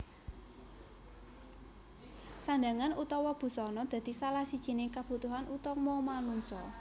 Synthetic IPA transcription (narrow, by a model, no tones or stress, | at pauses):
sand̪aŋanut̪ɔwɔb̥ṳsɔnɔd̪̥ä̤d̪̥i̤salahsid̥ʒ̥i̤nɪkab̥ṳt̪uɦanʔut̪ɔmɔmanuŋsɔ